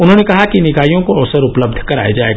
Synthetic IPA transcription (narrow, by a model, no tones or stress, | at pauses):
ʊnɦõnekɐɦakinɪkaːijõkoɐʋsəɾʊpləb̚d̪ʱkɐɾa̰ːed͡ʒa̰ːḛːɡ